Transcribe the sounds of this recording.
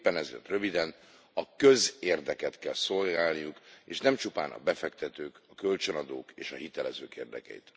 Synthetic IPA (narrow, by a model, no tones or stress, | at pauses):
pːɛnɛzḛːrt̪røvid̪ɛn | ɒkø̞zeːrd̪ɛkɛt̪kɛlso̞lɡaːlnijukeːʃnɛmt͡ʃupa̰ːnʔɒ̰bɛfɛkt̪ɛt̪øːkɒkølt͡ʃønɒd̪oːkeːʃɒ̰hit̪ɛlɛzøːkḛːrd̪ɛ̰kɛ̰jḭt̪